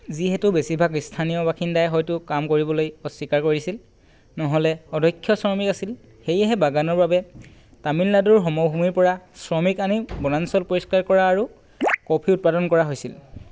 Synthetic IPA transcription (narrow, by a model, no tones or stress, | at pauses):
ziɦɛtʊbesibʱaɡistʰanijɔbakʰindajɦɔjtʊkamkoɹibɔlojɔsikaɹkoɹisil | nɔɦɔlɛɔdʱɔkʰːjɔsɹɔmikasil | xejɛɦɛbaɡanɔɹbabɛ | tamilnaduɹɦɔmɔbʱumiɹpɔɹasɹɔmikanibɔnansɔlpoɹiskaɹkɔɹaːɹu | kɔpʰiʊt̚padɔnkɔɹaɦojsil